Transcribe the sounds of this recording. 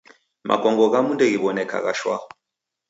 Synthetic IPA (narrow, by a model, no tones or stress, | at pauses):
mʔa̰kɔŋɡɔɣamundɛɣiβɔnɛka̰ɣa̰ʃwa̰